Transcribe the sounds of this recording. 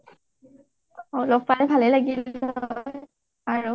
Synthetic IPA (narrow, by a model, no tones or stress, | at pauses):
olɔɡpalɛbʱalɛlaɡil | aɹu